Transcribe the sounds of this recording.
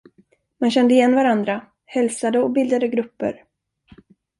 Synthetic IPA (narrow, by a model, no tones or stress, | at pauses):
manɕɛnd̪əɪjɛnːvaɾand̪ɾa | hɛlsad̪əɔbɪld̪ad̪əɡɾɵpːə̰ɾ